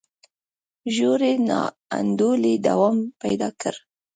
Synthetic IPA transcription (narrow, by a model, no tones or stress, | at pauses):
ʒoɾenɑ̰ | a̰nd̪oled̪awɑmpajd̪ɑkəɾ